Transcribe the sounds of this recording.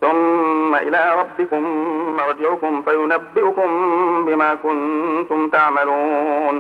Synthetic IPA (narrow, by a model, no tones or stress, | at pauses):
θʊmːaʔɪlaːɾˤɑbːɪkʊmːaɾˤd͡ʒɪʕʊkʊmfajʊnabːɪʔʊkʊmbɪmaːkʊnt̪ʊmt̪aʕmaluːn